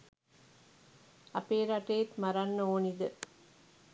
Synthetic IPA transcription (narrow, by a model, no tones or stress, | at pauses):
ɐpeːɾɐʈeːt̪mɐɾɐnːoːnid̪ə